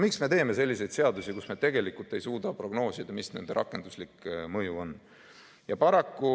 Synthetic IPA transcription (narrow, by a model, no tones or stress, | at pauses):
miksme̞t̪e̞ːme̞se̞lʲːise̞jd̪̥se̞ɑd̪usikusmet̪e̞ɡe̞likːˑult̪ːˑe̞jsuːd̪̥ɑpro̞ɡno̞ːsid̪̥ɑmisne̞̰nd̪e̞ɾʔɑ̰kːˑe̞nd̪̥uslikːˑmɤjuo̞n | jɑpɑɾɑkːu